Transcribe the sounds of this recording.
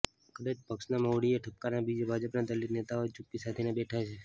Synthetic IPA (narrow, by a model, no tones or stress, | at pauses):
kəd̪at͡ʃpəkʃnamoʋɽieʈʰəp̚kanabid͡ʒabʱad͡ʒəpnad̪əliɾnet̪aot͡ʃupːisat̪ʰinebeʈʰajt͡ʃʰe